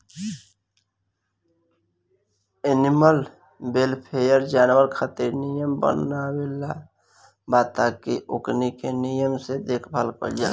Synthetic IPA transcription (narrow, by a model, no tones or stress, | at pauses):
enɪməl | belpʰejəɾd͡ʒaːnwəɾkʰət̪iɾnijəmbə̰nawela | baːt̪aːkiʔʊknikenijəmsed̪eːkʰbʱalko̰ld͡ʒa̰ː